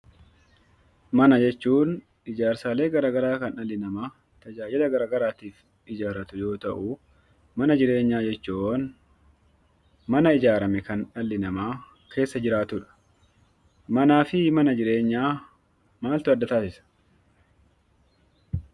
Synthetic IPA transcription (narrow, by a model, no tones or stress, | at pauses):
mɐnɐd͡ʒɛt͡ʃːuːn | ɪd͡ʒaːɾsaːle̞ːɡɐɾaːɡɐɾaːkɐnɐlːɪnɐmaː | t̪ɐd͡ʒaːd͡ʒɪlɐɡɐɾaːɡɐɾaːt̪iːf | ɪd͡ʒaːɾɐt̪ʊjo̞ːt̪ɐʔʊ | mɐnɐd͡ʒɪɾe̞ːɲːaːd͡ʒɛt͡ʃːun | mɐnɐɪd͡ʒaːɾɐmɛkɐnᶑɐlːɪnɐmaː | kʰe̞ːsːɐd͡ʒɪɾaːt̪ʊᶑɐ̥ | mɐnaːfɪmɐnɐd͡ʒɪɾe̞ːɲːaː | maːlt̪ʊɐd̪ːɐt̪aːsɪsɐ̥